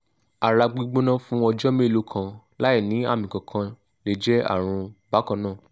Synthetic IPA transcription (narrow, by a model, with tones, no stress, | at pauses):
a˨ɾa˧ɡ͡bi˧ɡ͡bo˦nã˦fũ˦ɔ˧d͡ʒɔ˦mĩ˦˨lo˨˦kʰã˧ | la˦i˦˨nĩ˨˦a̰˦˨mĩ˨kɔ̃˨kʰã˧ | le˨d͡ʒɛ˦a̰˦˨ɾ̃ũ˧ba˨˦kɔ̃˧nãː˦˨